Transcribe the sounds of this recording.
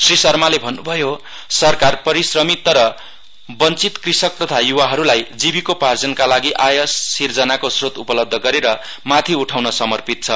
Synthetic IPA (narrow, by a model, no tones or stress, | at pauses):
srisʌrmalebʱʌnːubʱʌjo | sʌrkarpʌɾisrʌmit̪ːʌɾʌ | bʌnt͡sit̪krisʌk̚t̪ʌt̪ʰajuwaɦʌɾulajd͡zibikopard͡zʌnkalaɡiʔajʌsːird͡zʌnakosrot̪upʌlʌb̚d̪ʱːʌɡʌɾeɾʌ | mat̪ʰiuʈʰawnʌsʌmʌrpit̪̚t͡sʰʌ